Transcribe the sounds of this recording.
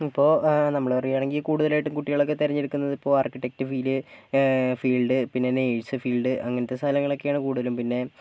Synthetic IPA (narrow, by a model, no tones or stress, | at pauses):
ipːo̞ːnɐmːɐɭɐrijaːɳeŋɡilkuːɽuðɐlaːjiʈːumkuʈːiɣɐɭo̞kːet̪iɾɐɲːiɾukːunːɐðipːo̞ːaːrkiʈːe̞k̚tɨfiːlɨ | fiːɭɖɨpinːe̞nejɻsɨfiːɭɖɨʔɐ̰ŋːɐnɐt̪ːesaːlɐŋːɐɭo̞kːe̞jaːɳɨkuːɽuðɐlumpinːe̞